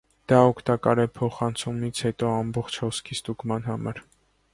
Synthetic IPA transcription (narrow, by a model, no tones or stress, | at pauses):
d̪̥ɑɔkʰt̪ɑkɑ̰ɾɛpʰɔχɑnt͡sʰumit͡sʰhɛt̪ɔɑmbɔχt͡ʃʰhɔskʰist̪uɡmɑnɦɑmɑɾ